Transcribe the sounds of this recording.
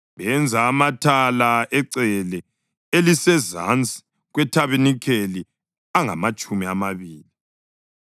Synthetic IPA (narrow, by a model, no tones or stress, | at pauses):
βɛnd͡zʱaːmatʰalaʔɛǀɛlɛ | elisɛza̰nt͡sʼi̥ | ɣwɛtʰaβinikʰeli | aŋa̰mat͡ʃʼumiamaβiːli